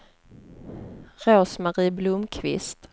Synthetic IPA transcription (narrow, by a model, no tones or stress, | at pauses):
ɾoːsmaɾiːblʊmkʰvɪ̰st̪